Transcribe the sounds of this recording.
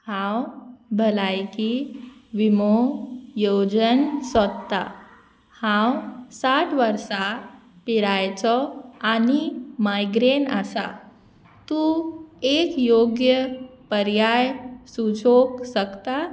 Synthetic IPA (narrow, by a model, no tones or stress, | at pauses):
hãwbʱəlajkiʋimojod͡ʑənsət̪ːa̰ | hãwsaʈʰʋəɾsa | piɾajt͡sɔanimajɡɾena̰sa̰ | t̪uekjoɡjəpəɾjajsut͡soksəkt̪a